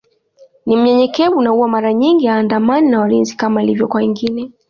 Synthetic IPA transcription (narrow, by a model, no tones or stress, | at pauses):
nim̩ɲɛɲɛkɛvuunauwamaɾaɲiŋɡiaːndamaninawalinzikamailivjɔkwaiŋɡinɛ